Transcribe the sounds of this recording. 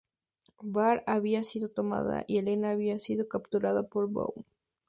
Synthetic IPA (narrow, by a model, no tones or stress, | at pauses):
baɾaβiasiðo̞t̪o̞ma̰ða̰ʔie̞lenaːβiasið̞o̞kapt̪uɾaðapo̞ɾbo̰w